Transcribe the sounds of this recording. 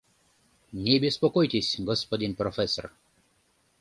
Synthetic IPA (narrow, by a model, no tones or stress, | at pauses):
nʲebʲespɔkɔjt̪ʲesʲɡɔspɔd̪ʲɪnprɔfʲɛsɔr